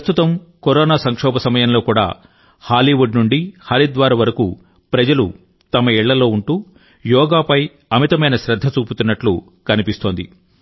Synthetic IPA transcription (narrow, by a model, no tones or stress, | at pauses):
st̪ut̪ɐmkoɾɔːnaːsɐŋkʂɔːbɐsɐmɐjɐnlo̞ːkuːɽa̰ː | haːliʋuɖnuɳɖihɐɾid̪ʋaːɾaːʋɐɾɐkuː | pɾɐd͡ʒɐlṵ | t̪ɐmɐɛɭːɐlo̞ːuɳʈuː | jɔːɡaːpɐj | ɐmit̪ɐmɐjnɐʃɾɐd̪ʱːɐt͡ʃuːput̪unːɐʈlṵ | kɐnipist̪oːnd̪ḭ